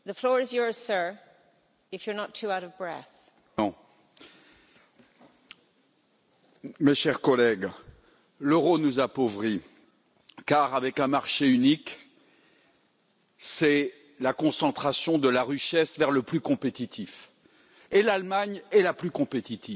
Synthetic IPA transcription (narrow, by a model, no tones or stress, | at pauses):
ðəflɔɹɪzjɔɹz̥sɜ˞ | ɪfjə˞nətʰːuaʊɾʌvbɹɛ̰θ | ɔ̃ | meʃɛʁkɔlɛɡ | ləʁonuzapovʁi | kaʁavɛkɛ̃maʁʃeynik | sɛ | lakɔ̃sɑ̃t̪χasjɔ̃d̪əlaʁiʃɛsvɛʁləplykɔ̃pet̪it̪ʰif | elalmaɲɛlaplykɔ̃pet̪it̪ʰi